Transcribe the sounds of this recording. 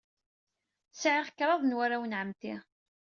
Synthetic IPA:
sʕiʁəkːɾˤɑðˤnwaɾawənʕəmt̪i

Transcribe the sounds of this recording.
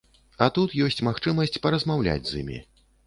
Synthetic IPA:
ɐt̪ut̪jɔsʲt͡sʲmaxt͡ʂɨmɐsʲt͡sʲpɐɾɐzmawlʲa̰d͡zʲzimʲḭ

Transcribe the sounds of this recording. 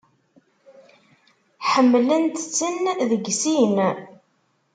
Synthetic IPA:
ħəmːlənt̪t͡sːənðəɡsin

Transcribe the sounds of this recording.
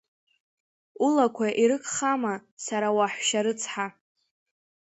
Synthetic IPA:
ulakʷʰaʔiɾɨkʰʼχamasaɾawaħʷʃaɾɨt͡sʰħa

